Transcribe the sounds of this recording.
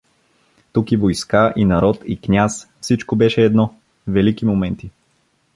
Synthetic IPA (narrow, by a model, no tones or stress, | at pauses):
t̪ukivojskaʔinɐɾɔt̪iknʲasfsit͡ʃkobɛʃɛːd̪nɔ | vɛlikimomɛnt̪i